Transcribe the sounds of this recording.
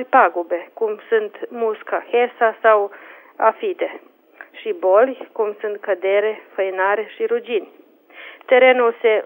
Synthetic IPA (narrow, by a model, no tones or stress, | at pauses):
lʲpaɡube̞kumsunt̪muskaxesasaw | afit̪e̞ | ʃibo̞lʲkumsunt̪̚kəd̪e̞ɾefəjnaɾeʃiɾud͡ʒinʲ | t̪e̞ɾe̞nulse